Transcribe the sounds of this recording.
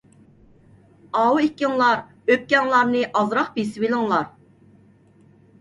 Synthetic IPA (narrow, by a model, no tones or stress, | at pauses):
ɑwuikʲːiŋlˠɑɾ | øp̚kʲɛŋlˠɑɾnɨʔɑzɾɑχbesɪwilɪŋlˠɑɾ